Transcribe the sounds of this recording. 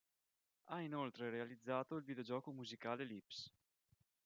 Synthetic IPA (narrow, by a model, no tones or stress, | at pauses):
ainolt̪ɾeɾealid̪zːaːt̪oilvid̪eod͡ʒɔːkomuzikaːlelips